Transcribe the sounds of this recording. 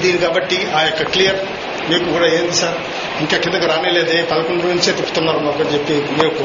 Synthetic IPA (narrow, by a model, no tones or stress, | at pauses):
d̪iːnikaːbɐʈːiaːjokːɐklijɐɾ | meːkuɡɾɐeːnd̪isɐɾ | iŋkekind̪ɐkɐɾaːmeːleːd̪eːpɐd̪ɐkoɳɖunuɲt͡ʃeːt̪ipːut̪unːaːɾɐmakɐɲd͡ʒepːimeːku